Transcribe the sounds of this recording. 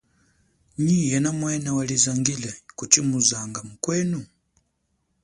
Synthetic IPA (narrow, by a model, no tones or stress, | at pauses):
ɲijɛnamwɛnawalizaŋɡilɛkut͡ʃimuzaŋɡamukwɛnu